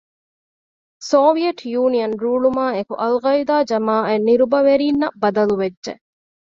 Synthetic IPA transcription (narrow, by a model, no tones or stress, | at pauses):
soːʋijɐʈʰjuːnijɐnɾuːɭumaːekṵʔɐlɣɐid̪aːd͡ʒɐmaːenːiɾubɐʋeɾiːnːɐbɐd̪ɐluʋed͡ʒʒḛ